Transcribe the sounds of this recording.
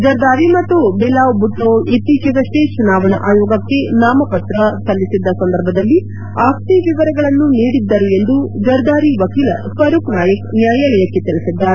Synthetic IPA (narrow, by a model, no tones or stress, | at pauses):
d͡ʒɐɾd̪aːɾimɐt̪ːubɛlaːʋbut̪ːoːit̪iːt͡ʃɐd̪ɐʂʈet͡ʃunaːʋɐnɐ̰ʔaːjɔːɡɐkːe̞naːmɐpɐt̪ɾɐsɐlːisid̪ːɐsɐnd̪ɐɾbʱɐd̪ɐlːi | aːkt̪iʋiʋɐɾɐɡɐɭɐnːuniːɽid̪ːɐɾeend̪ud͡ʒɐɾd̪aːɾiʋɐkiːlɐ̰sɐɾuknaːjɐknjaːjɐlɛjɐkːe̞t̪iɭisid̪ːaːɾe